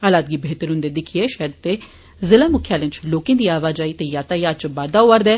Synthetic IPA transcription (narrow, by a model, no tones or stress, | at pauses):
alaːd̪ɡiːbeːt̪əɾɦʊ̃nd̪eːd̪ɪkʰiɛːʃɛd̪̚t̪eː | zɪlaːmʊkʰjaːlɪ̃nt͡ʃloːkẽːd̪iːaːʋaːd͡ʒaːit̪ejaːt̪aːijaːt͡ʃbaːd̪aːoʋəɾd̪ɛː